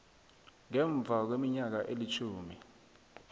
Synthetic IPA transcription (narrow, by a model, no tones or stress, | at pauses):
ŋɛɱb̪vʱak̬wemiɲak̬aʔelit͡ʃʰuːmi